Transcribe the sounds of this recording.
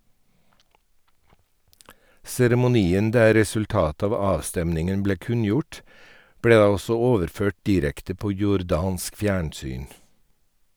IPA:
sɛɾɛmʊˈniːən ˈdæː ɾɛsʉlˈtɑːtə ˈɑːʋ ˈɑːʋstɛmnɪŋən ˈbleː ˈkʉnjʊʈ ˈbɽeː ˈdɑː ˈɔsɔ ˈoːʋəɾˌføːʈ ˈdiːɾɛktə ˈpoː jʊɾˈdɑːnsk ˈfjæːɳˌsyːn

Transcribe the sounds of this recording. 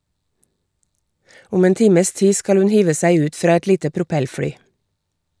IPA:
ˈʊm ˈeːn ˈtiːməs ˈtiː ˈskɑl ˈʉn ˈhiːʋə ˈsæɪ ˈʉːt ˈfɾɑː ˈɛt ˈliːtə pɾʊˈpɛlˌfɽyː

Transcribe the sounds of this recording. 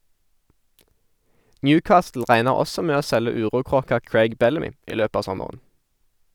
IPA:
ˈnjʉːˌkɑːstl̩ ˈʁæɪnəʁ ˈɔsɔ ˈmeː ˈoː ˈsɛlə ˈʉːʁuːˌkʁoːkɑ ˈkɹeɪɡ ˈbɛləˌmiː ˈiː ˈløːp ˈɑː ˈsɔməʁən

